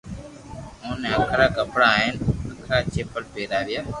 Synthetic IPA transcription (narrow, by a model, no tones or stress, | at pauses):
ɦõːneːəkʰɾaːkəpɽaːɦenəkʰɾaːt͡ʃeːpəlpeːɾaːʋɪjaː